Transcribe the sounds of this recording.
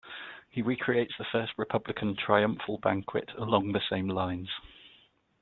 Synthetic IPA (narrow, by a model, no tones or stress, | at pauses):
hiɹiːˑkʰɹ̥ieɪtsðəfɜˑstɹɪpʰʌblɪkʰə̃ntʰɹ̥aɪʌ̃ɱfəlˠbã̰ŋkʰwɪ̰tʰəlɒ̃ŋðəsẽɪ̃mlãɪ̃nz̥